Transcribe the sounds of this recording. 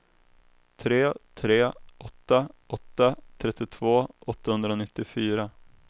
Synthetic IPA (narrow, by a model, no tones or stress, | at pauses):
t̪ʰɾeːt̪ʰɾeːʔɔt̪ːaʔɔt̪ːat̪ʰɾɛt̪ːɪt̪ʰvoːʔɔt̪ːahɵnd̪ɾanɪt̪ːɪfyːɾa